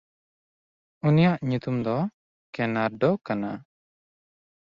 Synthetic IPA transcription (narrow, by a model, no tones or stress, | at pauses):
unijaʔɲut̪umd̪ɔ | kɛnaɾɖɔkana